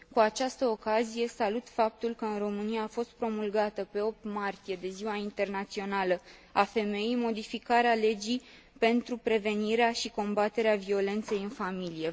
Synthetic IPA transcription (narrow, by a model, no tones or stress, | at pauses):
kuat͡ʃast̪əokazije̞salut̪fap̚t̪ulkəɨnro̞mɨniaːfo̞st̪̚pɾo̞mulɡat̪əpe̞o̞p̚t̪mart̪ije̞d̪e̞ziwaint̪e̞rnat̪sio̞nalə | afe̞me̞jijmo̞d̪ifikaɾeale̞d͡ʒij | pe̞nt̪ɾupɾe̞ve̞niɾeaʃiko̞mbat̪e̞ɾeavio̞le̞nt̪se̞jɨnfamilije̞